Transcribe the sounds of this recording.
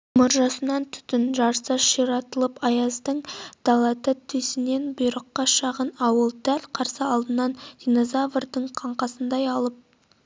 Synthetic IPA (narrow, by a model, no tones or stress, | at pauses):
mʊɾʒɑsənɑnt̪ʰʏ̥t̪ɪnʒɑɾsɑʃiɾɑt̪əlˠəpɑjɑzd̪əɴd̪̥ɑlˠɑt̪ət̪ʰʏsɪne̞nbʊjɾəqːɑʃɑʁənɑwəlˠd̪̥ælʲqʰɑɾsəɑlˠd̪ənɑnd̥̪ʲino̞zavərd̪əɴqʰɑɴqɑsənd̪ɑjɑlˠəp̚